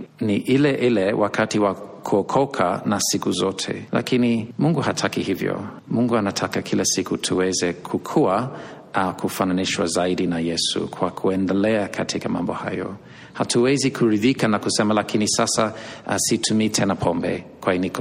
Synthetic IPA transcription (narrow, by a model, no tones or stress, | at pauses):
niʔilɛʔilɛwʔakʰatiwakʰuɔkʰɔkʰa̰nasikuzɔtʰɛ̰lʔa̰kinimuŋɡuhatʰakihivjɔ̰ | muŋɡuanatʰakakʰilasikutʰuwɛzɛkʰukʰua | kʰufananiʃwa̰zaiɗinajɛsṵkʰwakʰuɛndɛlɛakʰatʰikamã̰mbɔha̰jɔ̰ | hatuwɛzikʰuɾiðikanakusɛmalakʰinisasaʔasitʰumiːtʰɛnapʰɔmbɛ̰kwainikɔ